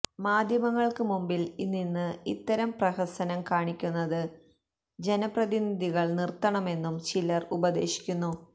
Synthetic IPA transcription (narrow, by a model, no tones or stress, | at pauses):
maːd̪ʱjɐmɐŋːɐɭkɨmumbilinːinːɨit̪ːɐɾɐmprɐhɐsɐnɐmkaːɳikʲːunːɐðɨ | d͡ʑe̞nɐprɐðinid̪ʱiɣɐɭnirt̪ɐɳɐme̞nːumt͡ɕilɐrubɐd̪e̞̰ːɕi̥kʲːunːu